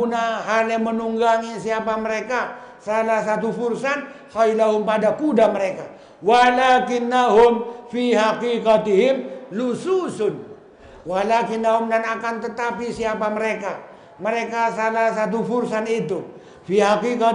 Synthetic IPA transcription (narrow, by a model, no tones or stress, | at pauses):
unaɦalamənuŋɡaŋisiapaməɾeka | salahs̬at̪̬ufuɾsanhajlaɦʊmpadakudaməɾeka | walakɪnːaɦʊmfiɦakikat̪iɦɪmlususʊn | walakɪnːaɦʊmdanakant̪ət̪apisiapaməɾeka | məɾekasalahs̬at̪̬ufuɾsanit̪u | fiɦakika